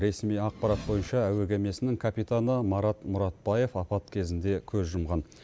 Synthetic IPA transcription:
ɾe̞smijɑq̚pɑɾɑt̪̚bo̞jənʃɑæweɡʲe̞me̞sɪnɪŋkʰapit̪anəmɑɾɑt̪mʊɾɑt̪̚bɑje̞fɑpɑt̪kʲʰe̞zɪnd̪e̞kʲʰɵzʒʊmʁɑn

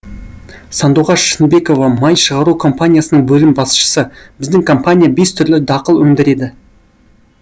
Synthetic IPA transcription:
sɑnd̪uʁɑʃənbe̞ko̞vɑmɑjʃəʁɑɾukʰo̞mpanʲijasənəɴbɵlɪmbɑsʃə̥səb̥ɪzd̪ɪŋkʰo̞mpanʲijabe̞st̪ʰʏɾlɪd̪ɑqəlˠɵŋd̪ɪɾe̞d̪ɪ

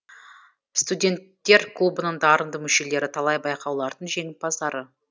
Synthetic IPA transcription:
st̪udʲe̞nt̪ːe̞ɾkʰlˠubənəɴd̪ɑɾənd̪əmʏʃe̞le̞ɾɪt̪ʰɑlˠɑjbɑjqɑwlˠɑɾd̪əɴʒe̞ŋɪt̪̚pɑzd̪ɑɾə

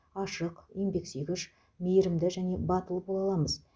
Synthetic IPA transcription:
ɑʃəqijmbe̞kseɡʲɪʃ | mejɾɪmd̪ɪʒæne̞bɑt̪əlˠəpbolˠɑlˠɑməz

